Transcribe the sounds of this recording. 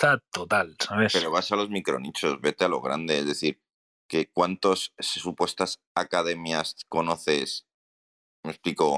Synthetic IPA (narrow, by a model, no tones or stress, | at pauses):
at̪ot̪alsaβespe̞ɾo̞βasalo̞zmikɾo̞̰nit͡ʃo̞zβe̞t̪ealo̞̰ɣ̞ɾa̰nd̪e̞ezðe̞θiɾ | ke̞kwant̪o̞sssupwe̞st̪as | akað̞e̞mjasko̞no̞θe̞s | me̞spliko̞